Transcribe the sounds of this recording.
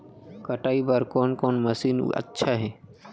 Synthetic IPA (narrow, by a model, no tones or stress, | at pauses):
kɐʈaːibəɾkɔːnkɔːnmɐsiːn̰ə̰tːʃʰaɦɛː